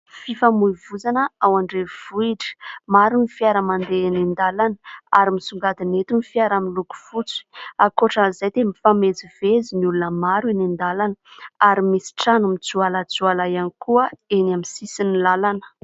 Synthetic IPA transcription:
fifamuivuzanəawaɳɖ͡ʐev̥uiʈ͡ʂə̥maɾunifiaɾəmand̪enind̪alanəaɾimisuŋɡad̪inet̪umifiaɾamiluku̥fut͡si̥akoʈ͡ʂanizajt̪emifamed͡ziv̥eziniulunəmaɾuenind̪alanəaɾimisi̥ʈ͡ʂanumit͡sualat͡sualajanikuəenamisisinilalanə̥

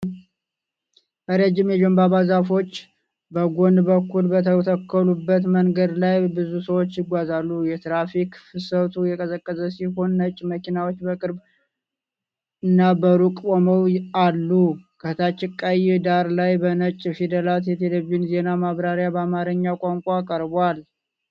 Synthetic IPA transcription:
ʔəɾəd͡ʒɪmjɛd͡ʒombaβazafo̞t͡ʃː | bəɡo̞nd̪bəkːulbət̪ʰəwt̪ʰəkʰːəlubːət̪məŋɡəd̪lajbɨzusəwo̞t͡ʃːjɪɡʷazalːujɛt̪ɾafikfɨsəwt̪ʰujɛkʼəsəkʼːəzəsiho̞nːət͡ʃʼːməkʰinawo̞t͡ʃːbəkʼɨɾb | ɨnːabəɾukʼoməwalːukʰət̪ʰat͡ʃːɪkʼːajɪd̪aɾlajbənət͡ʃʼfid̪əlat̪jɛt̪ʰeleβinze̞namaβɾaɾjabəamaɾɨɲːawkʼaŋkʷʼaːkʼəɾbal

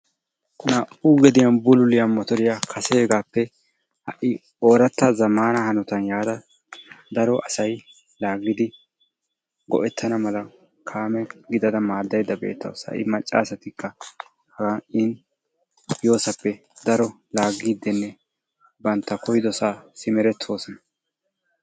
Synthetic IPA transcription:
nɐʔʊɡɛd̪ɪjɐnbʊlʊlɪjɐnmːɔt̪ɔɾɪjakʰɐseːɡaːpːɛ | hɐʔɪ | o̞ːɾɐt̪ːɐzɐmaːnɐhɐnɔt̪ɐnjaːd̪ɐ | d̪ɐɾɔʔɐsɐj | laːɡːɪd̪ɪ | ɡɔ̰ʔɛt̪ʰːɐnɐmɐlɐ | kʰaːmɛɡɪd̪ɐd̪ɐmaːd̪ːɐjd̪ɐbe̞̰ːt̪ːɐwsɐ̰ʔɪmɐt͡ʃʼːa̰ːsɐt̪ɪkːɐ | hɐɡɐʔɪn | jo̞ːsɐpːɛ | d̪ɐɾɔ | laːɡiːd̪ːɛnːɛ | bɐnt̪ːɐkɔjd̪ɔsasɪmɛɾɛt̪ʰːo̞ːsɔnɐ

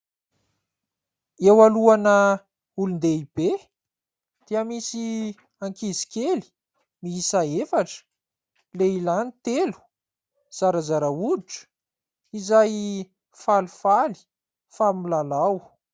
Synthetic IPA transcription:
ewaluanə | ulund̪eib̥e | d̪̥iəmisi | aŋkizi̥kʲeli̥ | miisaefaʈ͡ʂə̥ | leilanit̪elu̥ | z̥aɾazaɾauʈ͡ʂə̥ | izaj | falufali̥ | familalaw

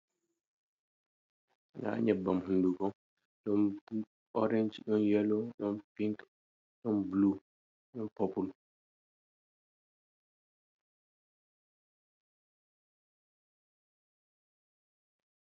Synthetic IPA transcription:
ŋɡa̰ɲɛbːamhunduɡɔ | ɗɔn | ɔɾɛɲd͡ʒɗɔnjɛlɔɗɔnpiŋk | ɗɔnblu | ɗɔnpɔpul

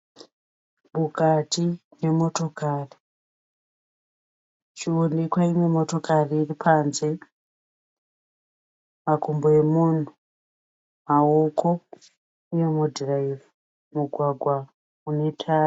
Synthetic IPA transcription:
mukatine̞mo̞to̞kari | t͡ʃionekwaimwe̞mo̞to̞kariːripʰaːnze̞ | makumboemun̤u | maokʰo̞ | ujemudʱraivu | muɡʱwaɡʱwa | une̞tʰaːr

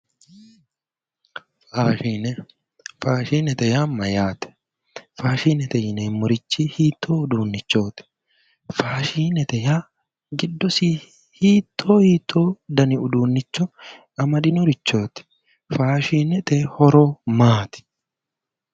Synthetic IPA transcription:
aːinɛ | faːʃiːnɛt̪ɛjaːmɐjaːt̪ɛ̥ | faːʃiːnɛt̪ɛjɪneːmːʊɾɪt͡ʃːihiːt̪ʰːoːʊd̪uːnːɪt͡ʃːo̞ːt̪ɪ̥ | faːʃiːnɛt̪ɛjaː | ɡɪd̪ːɔsiː | hiːt̪ʰːoːhiːt̪ʰːoːd̪ɐnɪʊd̪uːnːɪt͡ʃːɔ | ɐmɐd̪ɪnɔɾɪt͡ʃːo̞ːt̪ɪ̥ | faːʃiːnɛt̪ɛhɔɾoːmaːt̪ɪ̥

